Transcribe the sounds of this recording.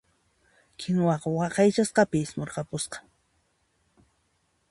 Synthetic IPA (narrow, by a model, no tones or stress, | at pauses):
kʰɪŋwɑqɑwɑqɑjt͡ʃasqɑpɪsmoɾqɑpʊsqɑ̥